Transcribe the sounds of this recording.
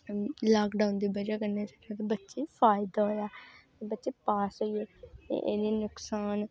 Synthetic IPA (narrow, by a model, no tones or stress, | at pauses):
laːkɖãːʊnd̪iːbəd͡ʒaːkəɾneːt͡ʃakaːt̪̬ebətːʃeːpʰaːɪd̪aːɦoːjaːt̪eːbətːʃeːpaːsoieːḛʔḛːdeːnʊksaːn